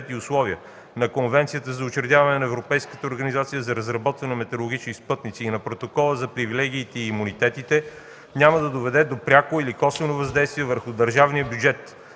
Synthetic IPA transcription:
t̪iʊslˠɔviə | nɐkonvɛnt̪sijət̪əzɐʊt͡ʃɾɛd̪ʲjavɐnɛnɐɛvɾopɛjskət̪əoɾɡənizat̪sijəzɐɾəzɾɐbɔt̪vənɛmɛt̪ɛɾolˠoɡʲit͡ʃnispɤt̪nit̪siːnɐpɾot̪okɔlˠəzɐpɾivilɛɡʲiːt̪ɛiːmunit̪ɛt̪it̪ɛ | nʲaməd̪ɐd̪ovɛd̪ɛd̪opɾʲakoilikɔsvənovɐzd̪ɛjst̪viɛvəɾxʊd̪əɾʒavnijəbjud͡ʒɛt̪

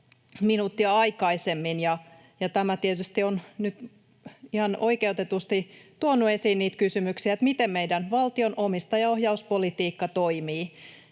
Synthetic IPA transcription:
minuːt̪ːiɑɑikɑisemːinjɑ | jɑt̪æmæt̪iet̪yst̪ionnyt̪ | ihɑnoikeut̪et̪ust̪it̪uonːuesiːnniːt̪kysymyksiæet̪mit̪emmeidænʋɑlt̪ionomist̪ɑjɑohjɑuspolit̪iːkːɑt̪oimiː

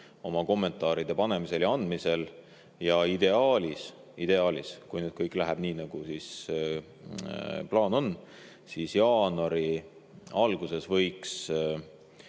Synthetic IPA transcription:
o̞mɑko̞mːe̞nt̪ˑɑːɾid̪̥e̞pɑne̞mise̞ljɑɑnd̪̥mise̞l | jɑid̪e̞ɑːlis | id̪̥e̞ɑːliskujnyːd̪̚kɤjkːˑlæɦɛb̥niːnɑɡ̥usis | plɑːno̞nː | sisjɑːnɑɾi | ɑlɡ̥use̞svɤ̞jks

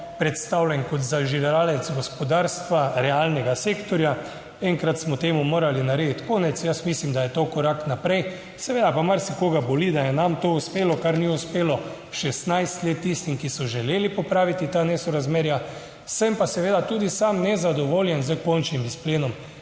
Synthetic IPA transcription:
pɾɛt̪st̪awlʲjɛnkɔt̪zaʒilɛɾaːlɛt̪zɡɔspɔd̪aːɾst̪ʋaɾɛalnɛɡaseːkt̪ɔɾja | ɛŋkɾat̪smɔt̪eːmumoːɾalinaɾeːd̪it̪koːnɛt̪sjəsmislimd̪ajɛt̪okɔɾaknapɾɛj | sɛʋeːd̪apamaɾsɛkoːɡabɔlid̪ajɛnamt̪ouspeːlɔkaɾniuspeːlɔ | ʃɛst̪najst̪leːt̪ːist̪imkisɔʒɛleːlipɔpɾaːʋit̪it̪anɛsɔɾazmeːɾja | sɛmpasɛʋeːd̪at̪uːd̪isamnɛzad̪ɔʋoːljɛnzəkɔnt͡ʃnimispleːnɔm

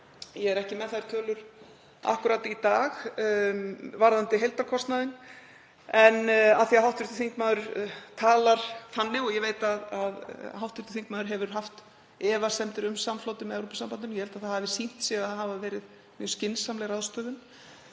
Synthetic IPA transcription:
jɛɛɾɛhcɪmɛðθaðɪɾ̥t̪ʰœːlʏɾ̥ | a̰hkʏɾaːt̪it̪aːx | vaɾðant̪ɪɦejlt̪aɾkʰɔst̪naðɪn | ɛnaθiaɦawht̪vʏɾ̥t̪ʏθiŋkmaːðʏɾt̪ʰaːlaɾ̥θanːɪɣɔjɛveːjt̪aðaðɦawht̪ʏɾt̪ʏθiŋkmaːðʏɾɦɛvʏɾ̥ɦaft̪ | ɛːvasɛmt̪ɪɾʏmsamflowt̪ɪmɛɛɾowpɪsampant̪ʏnjɛvɛlt̪aθahavɪsin̥t̪sɛɣaðθɦaːvavɛːɾɪð | mɛscɪnsamlɛɾaðst̪œːðʏn

